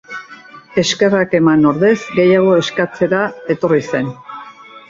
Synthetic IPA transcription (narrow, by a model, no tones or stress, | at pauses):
e̞ske̞rake̞mano̞ɾðe̞zɡe̞jaɣ̞o̞e̞skat͡se̞ɾae̞t̪o̞rise̞n